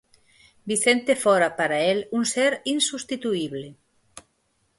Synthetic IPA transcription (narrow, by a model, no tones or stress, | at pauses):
biθent̪efɔɾapaɾaelunseɾinsust̪it̪uiβle